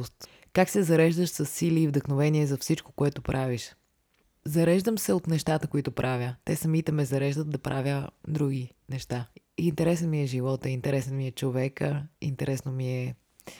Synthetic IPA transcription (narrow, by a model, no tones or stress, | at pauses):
st̪ | kaksɛzɐɾɛʒd̪əʃsəsːiliːvd̪əxnovɛniɛzɐfsit͡ʃko̥koɛt̪ʊpɾʔaviʃ | zɐɾɛʒd̪əmsɛot̪nɛʃt̪at̪əkoit̪opɾʔavʲjət̪ɛsɐmit̪ɛmɛzɐɾɛʒd̪ət̪̚d̪ɐpɾʔavʲjəd̪ɾuɡ̟i | nɛʃt̪a | int̪ɛɾɛsɛnmiɛʒivɔt̪əint̪ɛɾɛsɛnmiɛt͡ʃovɛkəint̪ɛɾʔɛsnomiɛ